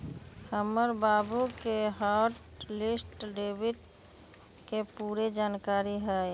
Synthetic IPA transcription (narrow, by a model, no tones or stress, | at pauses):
həməɾbaːbukeɦaːɾʈ | lɪsʈɖeːbɪɖ | kepuːɾed͡ʒaːnkaːɾiɦɛ